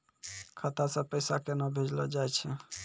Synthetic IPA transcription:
kʰat̪asə̃pəjsakenɔbʱed͡ʒlɔd͡ʒajt͡ʃʰɛ

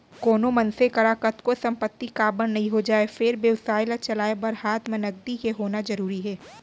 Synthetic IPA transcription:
koːnomɐnsekɐɾaːkət̪kosɐ̃mpət̪ːikaːbənnɐɦĩɦod͡ʒaːefɪɾbjɐwsaːɪlat͡ʃɐlaːebɐɾhaːt̪mẽnɐɡ̚d̪ikeɦoːnazɐɾuːɾiɦɛː

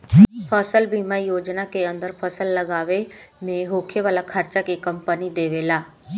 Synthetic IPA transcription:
pʰəsəlbiːmaijoːd͡ʒnakeə̃nd̪əɾpʰəsəlːəɡaːʋemẽɦoːkʰeʋaːlakʰəɾt͡ʃakekəmpənid̪eːʋeːlaː

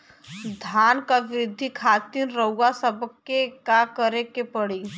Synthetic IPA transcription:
d̪ʱaːnkaʋɪɾɪd̪ʱːikʰaːt̪inɾəuːasəbkːekakəɾekepəɽiː

